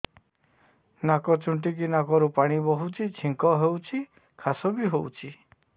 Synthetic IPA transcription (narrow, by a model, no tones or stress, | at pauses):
nakɔt͡ʃuɳʈik̬inakɔɾupaɽ̃ibɔɦut͡ʃʰit͡ʃʰiŋkɔɦewt͡ʃʰi | kʰasɔbiɦowt͡ʃʰi